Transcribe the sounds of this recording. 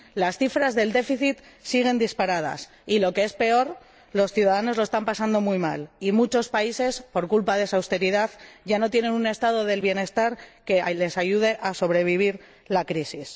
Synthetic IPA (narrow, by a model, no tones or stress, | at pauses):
lasθifɾazðe̞ld̪e̞fiθit̪siɣ̞e̞nd̪ispaɾaða̰s | ilo̞kee̞spe̞o̞ɾ | lo̞sθjuðaðano̞zlo̞est̪ampasand̪o̞mujma̰limut͡ʃo̞spaise̞spo̞ɾkulpaðesawst̪e̞ɾiðaðʝano̞t̪je̞nẽ̞nune̞st̪að̞o̞ðe̞lβje̞ne̞st̪aɾke̞le̞saʝuð̞e̞ʔaso̞β̞ɾe̞β̞iβ̞iɾ | lakɾisis